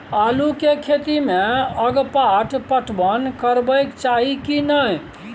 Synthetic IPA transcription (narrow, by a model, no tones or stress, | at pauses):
alukekʰet̪imeəɡpaʈʰpəʈʰbənkəɾbəjkt͡ʃaɦikinəj